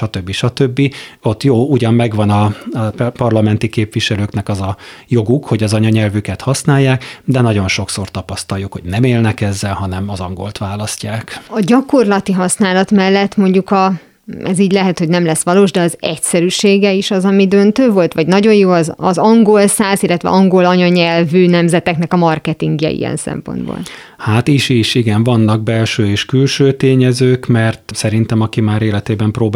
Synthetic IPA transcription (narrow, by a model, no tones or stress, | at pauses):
ʃɒt̪øbːiʃɒt̪øbːio̞t̪ːjoːuɟɒmːɛɡʋɒnɒ | pɒrlɒmɛnt̪ikeːpʋiʃɛløːknɛkɒzɒjo̞ɡukho̞ɟɒzɒɲɒɲɛlvykɛt̪hɒsnaːjːaːkd̪ɛnɒɟo̞nʃo̞kso̞rt̪ɒpɒst̪ɒjukho̞̰ɟnɛmeːlnɛkɛzːɛlɦɒnɛmɒzɒŋɡo̞̰lt̪ʋaːlɒscaːkɒɟɒko̞rlɒt̪iɦɒsnaːlɒt̪mɛlːɛt̪ːmo̞ɲɟukɒ | ɛziːɟlɛɦɛt̪ho̞ɟnɛmlɛsʋɒloːʒd̪ɛɒzɛcsɛɾyʃeːɡɛiʃɒzɒmid̪ø̞nt̪øːvo̞lt̪ʋɒɟnɒɟo̞jjoːɒzɒzɒŋɡo̞lsaːsilːɛt̪ʋɛ̰ʔɒŋɡo̞lɒɲɒɲɛlvyːnɛmzɛt̪ɛknɛkɒmɒrkɛt̪iŋɡjɛ̰ḭjɛ̰nsɛ̰mpo̞̰nbo̰ːl | haːt̪iʃiʃiɡɛɱvɒnːɒɡ̚bɛlʃøːeːʃkylʃøːt̪eːɲɛzøːkmɛrt̪sɛɾint̪ɛmɒkimaːɾeːlɛt̪eːbɛmproːb